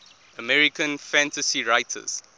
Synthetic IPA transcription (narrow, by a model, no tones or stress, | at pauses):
əmɛɹikə̃nfæ̃ntəsiɹaɪtʰə̰z̥